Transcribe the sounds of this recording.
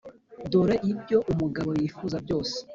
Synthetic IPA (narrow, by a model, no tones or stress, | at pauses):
doɾeʔibɟo̞ʔumuɡaβo̞jifuzabɟo̞ːse̥